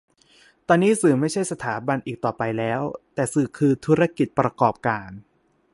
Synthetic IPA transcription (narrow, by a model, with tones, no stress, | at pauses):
t̪ɔː˧nːiː˦˥sɯː˨˩ma˥˩jt͡ɕʰa˥˩jsa˧t̪ʰaː˩˦ba˧nʔiː˨˩k̚t̪ɔː˨˩pa˧jlɛː˦˥wt̪ɛː˨˩sɯː˨˩kʰɯː˧t̪ʰuː˦˥ɾa˧ki˨˩t̪̚pɾa˧kɔː˨˩p̚kaː˧n